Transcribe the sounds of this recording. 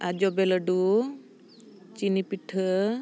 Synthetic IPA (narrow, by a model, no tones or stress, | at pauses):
ad͡ʒɔbɛləɖu | t͡ʃinipiʈʰə